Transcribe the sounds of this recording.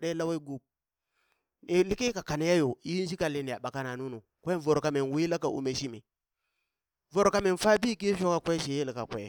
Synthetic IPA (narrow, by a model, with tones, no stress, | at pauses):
ɗe˦la˦wa˦i˦ɡu˦b̚ | i˨li˦ki˦ka˨ka˨na˨˦ja˦jo˨i˦n˦ʃi˦ka˨li˦ni˨a˨ɓa˨ka˦na˨nu˦nu˨ | kʷa˦˨vo˨ɾka˨me˨n˨wi˦la˦ka˨ʔṵ˨me˨ʃi˦mḭ˨ | vo˨ɾka˦me˨nfa˦bi˦ki˦fo˦ka˨kʷe˦ʃe˨je˦li˨ka˨kʷḛ˨˦˨